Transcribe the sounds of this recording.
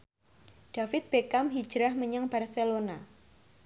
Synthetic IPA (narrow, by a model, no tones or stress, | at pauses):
ɖ̥afɪt̪̚b̥ekamɦi̥d͡ʒɾahməɲaŋbarselona